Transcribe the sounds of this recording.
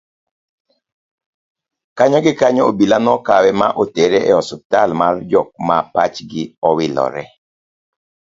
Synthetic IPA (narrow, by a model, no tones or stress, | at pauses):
kaɲɔɡɪkaɲɔobilanɔkawɛmaʔoteɾeʔɛɔsɔp̚talmard͡ʒɔk̚mapat͡ʃɡɪɔwɪlɔ̰ɾɛ̰